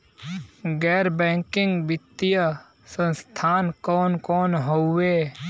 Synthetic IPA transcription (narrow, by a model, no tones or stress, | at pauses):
ɡɛːɾbɛ̃ːŋkɪ̃ŋɡbɪt̪ːijə | sə̃nst̪ʰaːnkɔːnkɔːnɦoeː